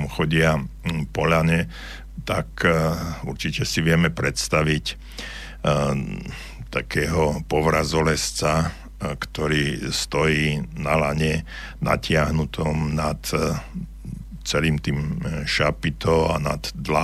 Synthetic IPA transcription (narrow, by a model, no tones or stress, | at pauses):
muxɔɟɪapɔʎaɲɛ | t̪ak | uɾt͡ʃicɛsiʋɪɛmɛpɾɛt̪st̪aʋic | t̪akʰɛːɦɔpɔʋɾazɔlɛst͡sa | kt̪ɔɾiːst̪ɔjiːnalaɲɛ | na̰cɪaɦnut̪ʰɔmnat̪ | t͡sɛliːmt̪iːmʃapit̪ɔana̰d̪ːla